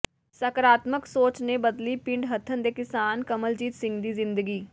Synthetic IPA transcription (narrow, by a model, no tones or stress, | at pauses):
səkɾaːt̪məksoːt͡ʃnebəd̪liːpɪ̃ɳɖɦət̪ʰːənd̪eːkɪsaːnkəməld͡ʒiːt̪sɪ̃ŋɡd̪iːzɪ̃nd̪əɡiː